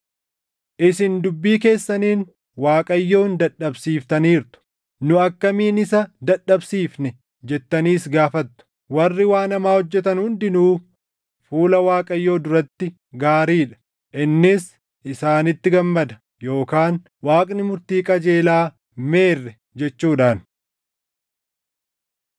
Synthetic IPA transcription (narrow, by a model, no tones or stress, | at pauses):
ʔɪsɪnd̪ʊbːiːke̞ːsːɐniːn | waːkʼɐjːo̞ːnd̪ɐᶑɐbsiːft̪ɐniːɾt̪ʊ̥ | nʊɐkːɐmiːnɪsɐd̪ɐᶑɐbsiːfnɛ | d͡ʒɛt̪ːɐniːsɡaːfɐt̪ːʊ̥ | wɐrːɪwaːnɐmaːhɔd͡ʒːɛt̪ɐnhʊnd̪ɪnuː | fuːlɐwaːkʼɐjːo̞ːd̪ʊɾɐt̪ːɪ | ɡaːɾiːᶑɐ̥ | ʔɪnːɪs | ʔɪsaːnɪt̪ːɪɡɐmːɐd̪ɐ | jo̞ːkaːn | waːkʼnɪmʊɾt̪iːkʼɐd͡ʒe̞ːlaː | me̞ːrːɛ | d͡ʒɛt͡ʃːuːᶑaːn